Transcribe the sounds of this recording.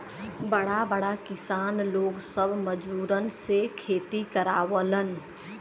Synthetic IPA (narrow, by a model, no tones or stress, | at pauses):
bəɽabəɽakɪsaːnloːɡsəbməd͡ʒuːɾənsekʰeːt̪ikəɾaːwələn